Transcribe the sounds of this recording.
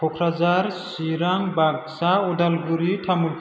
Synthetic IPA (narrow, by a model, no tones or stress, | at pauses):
ɔkʰɾazaɾsiɾaŋbaɡ̚saɔdalɡuɾitʰamulkʰ